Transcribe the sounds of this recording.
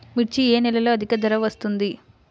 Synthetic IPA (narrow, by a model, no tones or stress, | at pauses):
miʈt͡ʃieːnɛlɐloːɐd̪ʱikɐd̪ɐɾɐʋɐst̪und̪i